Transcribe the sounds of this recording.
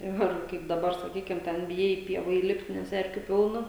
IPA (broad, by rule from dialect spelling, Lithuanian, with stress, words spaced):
ˈɪr ˈkɐɪp dɐˈbɐr sɐˈkʲiːkʲɪm ˈtʲɛn bʲɪˈjɛɪ ɪ ˈpʲiɛʋɐ iːˈlʲɪpʲtʲ nʲɛs ˈɛrʲkʲʊ ˈpʲɪlˠnɐ